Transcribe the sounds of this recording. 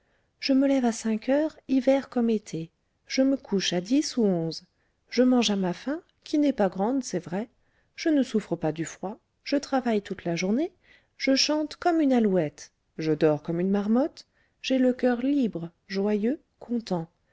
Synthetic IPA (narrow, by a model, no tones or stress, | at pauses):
ʒ̥əməlɛvasɛ̃kʰœʁivɛʁkɔmet̪ʰe | ʒ̥əməkʰuʃad̪isuɔ̃z | ʒəmɑ̃ʒamafɛ̃ | kʲʰinɛpaɡʁɑ̃d̪sɛvʁɛ | ʒ̥ənəsufχəpad̪yfχwa | ʒ̥ət̪χavajt̪ut̪laʒuʁne | ʒ̥əʃɑ̃t̪kɔmynalwɛt̪ | ʒəd̪ɔʁkɔmynmaʁmɔt̪ | ʒ̥ɛləkʲœʁlibʁə | ʒwajø | kʰɔ̃t̪ɑ̃